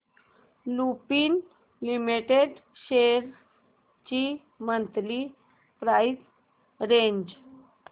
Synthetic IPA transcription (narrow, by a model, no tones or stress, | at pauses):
lupiːn | limiʈeɖ | ɕeɾ | t͡ɕi | mənt̪li | pɾajs | ɾeɲd͡ʑ